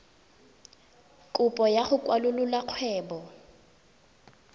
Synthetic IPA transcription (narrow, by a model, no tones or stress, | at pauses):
kʼʊpʼɔjaχʊkʼwalʊlʊlaq͡χʰwɛːbɔ